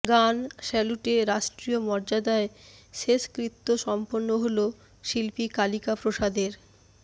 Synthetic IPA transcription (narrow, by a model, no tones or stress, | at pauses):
ɡanʃɛluʈeɾaʃʈɾiomɔɾd͡ʑad̪aeʃeʃkɾit̪ːoʃɔmponːoɦolo | ʃilpikalikapɾoʃad̪eɾ